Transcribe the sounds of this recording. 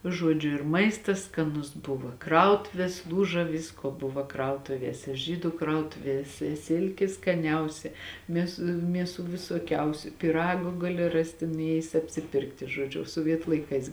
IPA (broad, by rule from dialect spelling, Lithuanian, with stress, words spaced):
ˈʒuɔd͡ʒʲʊ ɪr ˈmɐɪstɐs skɐˈnʊs ˈbʊʋoː ˈkrɐʊtʊʋʲeːs ˈlˠuːʒɐ ˈʋʲɪskoː ˈbʊʋɐ ˈkrɐʊtʊʋʲiɛsʲɛ ˈʒʲiːdʊ ˈkrɐʊtʊʋʲiɛsʲɛ ˈsʲɪlʲkʲɪ skɐˈnʲɛʊsʲɛ ˈmʲeːs ˈmʲiɛˌsuː ʋʲɪsoːˈkʲɛʊsʲʊ pʲɪˈrɑːɡʊ ˈɡɑːlʲɪ ˈrɑːsʲtʲɪ nʊˈeːjɪs ɐpʲsʲɪˈpʲɪrktʲɪ ʒoːˈd͡ʒʲʊ soːˈʋʲiɛtʊ lˠɐɪˈkɐɪs